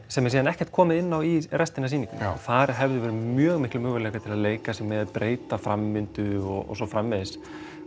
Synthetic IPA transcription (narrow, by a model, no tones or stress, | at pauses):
sɛmːɛsiːðanɛhcɛ̥ɾ̥t̪̚kʰɔːmɪðɪnːawirɛst̪ɪnasiːnĩŋkʏ̰mθaɾɦɛvðʏvɛːɾɪmjœːɣmɪhklɪmʏːɣʏlɛːkaɾt̪ʰɪlaðleːjkasɛmɛðapɾʔeːjt̪afɾamːʏnt̪ʏɔɔ̰sɔfɾamːɛðɪs